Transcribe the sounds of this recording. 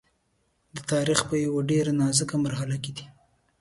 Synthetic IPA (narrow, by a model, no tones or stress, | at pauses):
d̪ət̪ɑɾixpəjawaɖeɾanɑzəkamaɾhalaked̪i